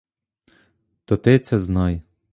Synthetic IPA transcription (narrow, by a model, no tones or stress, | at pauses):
t̪ɔt̪ɪt̪sɛznɑj